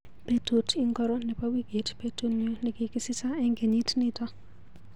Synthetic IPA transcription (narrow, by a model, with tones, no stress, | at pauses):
pe˦to˦tʰɪ˦ŋkɔ˦ɾɔ˦nɛ˨pa˦wi˦ɡe˨tpe˦to˦no˦nɪ˨kɪ˨kɪ˦sɪ˦sa˦ɛ˦ŋɡe˨ɲi˦tnɪ˦ta˦